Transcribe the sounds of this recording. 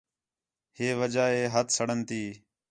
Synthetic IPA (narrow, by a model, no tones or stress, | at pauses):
heːʋəd͡ʒaːɦeːɦət̪səɽənt̪iː